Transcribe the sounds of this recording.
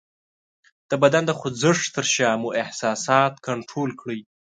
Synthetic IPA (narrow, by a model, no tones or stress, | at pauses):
d̪̥əbad̪and̪əxʊzəʂt̪əɾʃɑmuʔɪhsɑsɑt̪kʰaɳʈɾolkɽəj